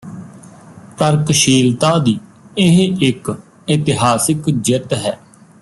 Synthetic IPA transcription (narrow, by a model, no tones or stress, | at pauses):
t̪əɾkʃiːlt̪aːd̪iːɪɦeʔɪk | ɪt̪ɪɦaːsɪkd͡ʒɪt̪ɦɛː